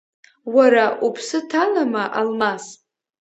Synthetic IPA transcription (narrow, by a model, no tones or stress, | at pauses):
waɾaʔupʰsɨtʰalamaʔalmas